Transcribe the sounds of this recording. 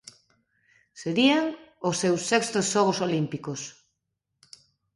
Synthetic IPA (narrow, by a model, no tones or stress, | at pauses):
seɾieŋosewsːekst̪osːoɣ̞osolimpikos